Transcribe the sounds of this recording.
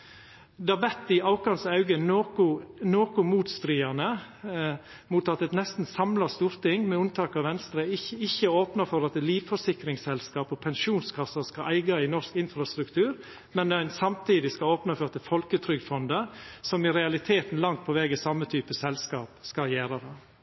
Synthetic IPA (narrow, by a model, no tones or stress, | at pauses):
d̪ɛɑʋɛt̪ːɪɑʊkɑnsɑʉɡənokʊnoːkʊmuːt̪st̪ɾiːɑnə | muːt̪ɑt̪ːɛt̪nɛst̪n̩sɑmlɑst̪uːɾt̪ɪŋːmɛʉnt̪ʰɑːkɑʋɛnst̪ɾəɪɪçːəoːpnɑfɔɾɑt̪liːʋfɔʂɪkɾɪŋsɛlskɑːpɔpʰɛnʃuːnskʰɑsːɑskɑʔæɪɡɑɪnɔskɪnfɾɑst̪ɾʉkt̪ʰʉːɾ | mɛnæɪnsɑmt̪ʰiːd̪ɪskɑoːpnɑfɔɾɑt̪ɛfɔlkət̪ʰɾʏɡd̪fɔnd̪əsɔmɪɾɛɑlɪt̪ʰeːt̪n̩lɑŋt̪̚pʰɔʋɛːɡəsɑmːət̪ʰyːpəsɛlskɑːpskɑjæːɾɑɾɑ